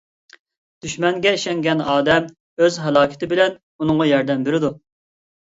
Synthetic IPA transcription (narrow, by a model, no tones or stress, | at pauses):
d̪̥yʃmɛŋɡʲɛiʃɛŋɡʲɛnɑːd̪ɛm | øzɦɛlˠɑːkʰʲɪ̥t̪ɪbɪlɛn | unɨŋʁɑjɑɾd̪ɛmbeɾɪd̪u